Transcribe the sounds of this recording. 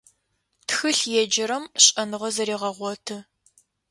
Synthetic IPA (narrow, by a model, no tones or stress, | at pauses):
txɨɬjɛd͡ʒɐɾɐmɕʼɐnɨʁɐzɐɾiːʁɐʁʷɔtʰɨ